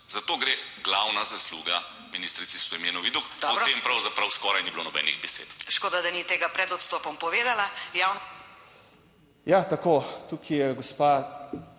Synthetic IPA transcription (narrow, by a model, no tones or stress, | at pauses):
zat̪oːɡɾeɡlawnazasluːɡa | minist̪ɾit̪sisɔimeːnɔʋid̪ukd̪pɔt̪empɾɐwzapɾɐwskɔːɾajnibilonɔbɛ̰ːnḭɣbɛsḛːt̪ʃkoːd̪ad̪ɐnit̪eːɡapɾɛd̪ɔt̪st̪ɔːpɔmpɔʋeːd̪alajawn | jat̪akot̪ukʰijɛɡɔspa